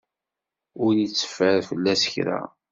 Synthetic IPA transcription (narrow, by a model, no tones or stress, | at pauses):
ʊɾnit͡sːə̥fəɾfəlːæsəçɾæ̰